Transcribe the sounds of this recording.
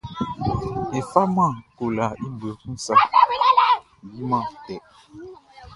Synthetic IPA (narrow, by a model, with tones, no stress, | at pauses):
e˨fa˦mã˦˨ko˨la˨i˦bə˨kũ˦sa˦ | bi˦mã˦˨tɛ˨ʔ